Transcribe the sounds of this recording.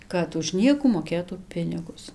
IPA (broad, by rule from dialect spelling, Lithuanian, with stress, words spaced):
ˈkɐt ʊʃ ˈnʲiɛkuː moːˈkʲeːtuː ˈpʲɪnʲɪɡʊs